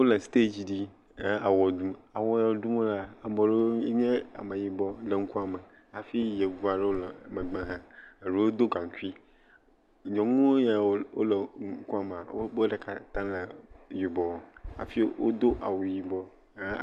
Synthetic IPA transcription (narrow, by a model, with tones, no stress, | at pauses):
wo˦lɛ˨st̪e˦d͡ʑi˦ɖi˦ | a˦a˨wɔ˨d̪ũ˦a˨wɔ˦ja˨wo˨˦dũ˦mo˦la˦a˨bɔ˨ɖe˦ɲɛ̃˦a̰˨mə˨ji˨bɔ˦lə˨ŋ̩˦ku˦a˨mə˨ | a˨fi˦je˨ɡu˦a˨ɖe˦wo˦lɔ˨mə̃˨ɡ͡bã˦ɦã˨ɖe˦wo˦d̪o˦ɡã˨ŋ˨ku˦i˦ | ɲɔ̃˨ŋũ˦wo˦jɛ˨˦wo̰˦lə˨ŋ˦ku˦a˨m˨a̰˨wʔo̰˦bɖɛ˨ka˨t̪ã˦lə˨ji˨bɔ˨wɔ˨a̰˨fi˦wo̰˦d̪o˦ʔa̰˨wo˨ji˨bɔ˦